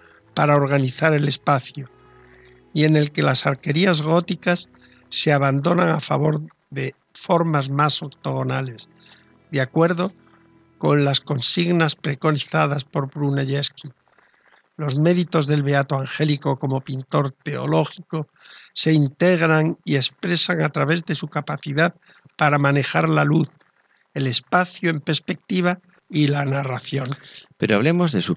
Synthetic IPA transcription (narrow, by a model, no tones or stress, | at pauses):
paɾao̞ɾɣ̞aniθaɾele̞spaθjo | ie̞ne̞lke̞lasaɾke̞ɾiazɣo̞t̪ikasː | e̞aβ̞and̪o̞naŋafa̰βo̞ɾ | ðe̞ | fo̞ɾmazmaso̞kt̪oɣo̞nale̞s | ðjakwe̞ɾðo̞ | ko̞nlasko̞nsiɣnaspɾe̞ko̞niθaðaspo̞ɾβɾuneʝeski | lo̞zme̞ðit̪o̞zðe̞lβe̞at̪oaŋxe̞liko̞ko̞mo̞pint̪o̞ɾt̪e̞o̰lo̞xiko̞ | se̞int̪e̞ɣ̞ɾaŋie̞spɾe̞saŋat̪ɾaβe̞zðe̞sukapaθiðað | paɾamãne̞xaɾlaluθ | e̞le̞spaθjue̞mpespe̞k̚t̪iβa | ilanaraθjo̞npe̞ɾoa̰βle̞mo̞zðesu